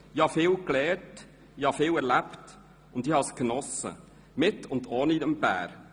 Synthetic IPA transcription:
ihɑfɪːwklɛːɾt | ihɑfɪːwɛɾlæpt | ʊndiːhɑskənɔsə̰ | mɪtʊndɔːnidɛmbæ̰ːɾ

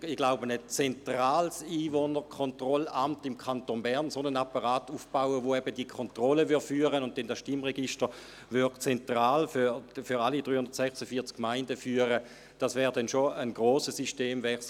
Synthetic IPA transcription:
iɡ̥laʊbənət͡sɛntʁaːlsiːvonəʁkʰɔntʁɔlamtɪmkʰantonbɛʁnsonənapɑʁaːtufb̥aʊəʋoɛb̥ədikʰɔntʁɔləvʏɐdfyːɐʁənʊnt̚tɛndasʃtimʁɛɡiʃtə | vʏɐdt͡sɛntʁaːlfyfyʁalid̥ʁyːhʊnd̥ɐtsɛχsəfiːɐt͡skmaɪndəfyːəʁə | d̥ɑsvɛːʁdɛnʃoənɡʁoːsəsiʃteːmvɛs

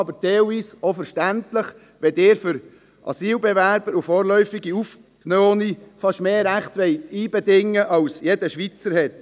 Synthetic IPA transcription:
ɑbəɾd̪ɛːʊiːsofəɾʃtæntləχ | ʋɛd̪ɪːɾfʏɾ | ʔɑ̰siːlbɛvæɾb̥əɾufoːɾlœʏfɪɡiuf | knoːnifɑʃmeːɾæχt̪ʋɛɪtiːbɛdɪŋːəʔɑwsjedəʃʋit͡səɾhɛt̪

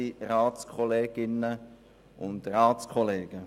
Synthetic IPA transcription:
iɾaːtt͡skʰɔleːɡ̥ɪnə | ʔʊndraːt͡skʰɔleːɡ̥ə

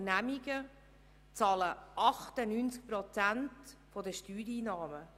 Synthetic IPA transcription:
næmiɡə | t͡sɑːləʔɑχtənynt͡sk̚pɾɔt͡sæntfɔdəʃtyːɾiːnɑːmə

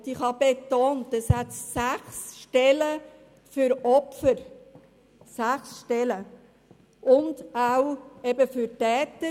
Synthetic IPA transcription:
diχhɑbetoːntəshæt̪sæχsʃtɛlə | fʏɾɔpfəɾ | sæχsʃtɛlə | ʔʊndawɛbəfyɾtɛːtə

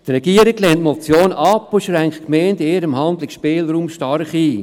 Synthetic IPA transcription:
t̪rɛɡ̥iəɾɪɡlɛntmɔt͡sjoːnɑpːoʃɾæŋktkmeːndeːɾəmhɑnd̪lɪkʃpeːlruːmʃtɑɾχiː

